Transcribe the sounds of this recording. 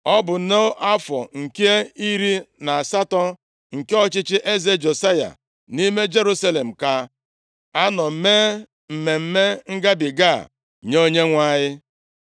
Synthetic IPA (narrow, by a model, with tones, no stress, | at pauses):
ɔ˦bʊ˨˦no˦o˦ʔa˦fɔ̰˨ŋ̩˨ke˦e˦i˦ɾi˦na˨a˨sa˦tɔ˦ | ŋ̩˨ke˦ɔ˦t͡ʃɪ˦t͡ʃɪ˦ʔe˦ze˦d͡ʒo˨sa˦ja̰˨ | ni˦me˦d͡ʒe˦ɾu˦sa˦le˨m̩˨ka˦ | a˦nɔ˨m̩˨me˦ | m̩˨me˨m̩˦me˦ŋ̩˦ɡa˦bɪ˨ɡa̰˦˨ | ɲo˦ɲe˦ŋʷa˦ɲɪ˦